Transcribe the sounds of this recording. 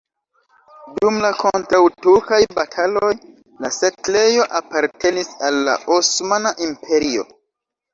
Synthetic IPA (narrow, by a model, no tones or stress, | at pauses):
dumlakʰo̞ntɾawtuɾkajbatʰaloj | lasekle̞jo̞ʔapaɾte̞nisalːa̰ʔosmanaʔimpʰe̞ɾio̞̰